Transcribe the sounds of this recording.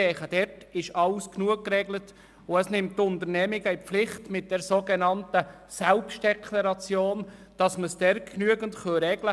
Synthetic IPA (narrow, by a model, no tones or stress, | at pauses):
ɛːχəd̥ɛrt | ɪʃɑlsknuək̚kːrɛɡlət | ʊəsnɪmttːʊntəɾnɛːmɪɡəipflɪχtmɪt̚d̥ɛɾsoːɡenɑntə | sɛlpstd̥ɛkʰlɑɾɑt͡sjoːn | d̥ɑsməsd̥ɛɾknyəɡəntχœɾɛɡlə